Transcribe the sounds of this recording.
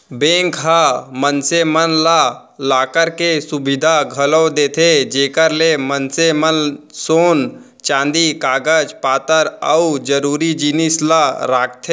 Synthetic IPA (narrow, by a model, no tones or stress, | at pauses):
bẽːŋkɦamənsemənla | laːkəɾkesʊbɪd̪ʱaɡʱəlod̪eːt̪ʰed͡ʒeːkəɾlemənsemənsoːn | t͡ʃãːnd̪ikaːɡəd͡ʒpaːt̪əɾə̰ud͡ʒəɾuːɾid͡ʒinɪslaɾaːk̚ʰt̪ʰe